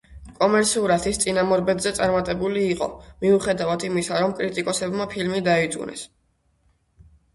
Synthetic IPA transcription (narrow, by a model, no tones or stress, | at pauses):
kʼɔmɛɾt̪sʰiuɾat̪ʰist̪sʼinamɔɾbɛd̪zɛt̪sʼaɾmat̪ʼɛbuliːqʼɔ̰miuχɛd̪avad̪imisaɾɔmkʼɾit̪ʼikʼɔsɛbmapʰilmid̪aid̪zʼṵnɛ̰s